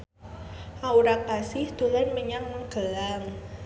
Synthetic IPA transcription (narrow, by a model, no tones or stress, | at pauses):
ʔauɾak̚asɪhd̪̥ulanməɲaŋmʊŋɡ̥əlaŋ